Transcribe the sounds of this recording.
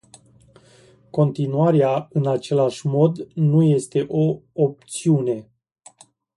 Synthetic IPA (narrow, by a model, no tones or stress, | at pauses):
ko̞nt̪inuaɾeaɨnat͡ʃe̞laʃʲmo̞d̪nuje̞st̪e̞ʔoop̚t̪siune̞